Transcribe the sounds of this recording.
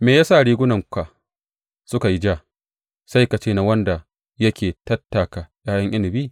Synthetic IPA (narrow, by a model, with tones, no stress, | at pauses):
meː˨jaː˦saː˦˨ɽiː˦ɡʷʊ˦nɐ˨ŋ˦kʷa˨ | sʊ˦ka˨ji˦d͡ʒa˦˨ | sa˦jka˨t͡ʃeː˦˨na˨wɐ˦nda˨ | jɐ˦kʲʰeː˨tɐ˦tːa˨ka˨jaː˦jɐ˦ŋʔɪ˦nɪ˨biː˦˨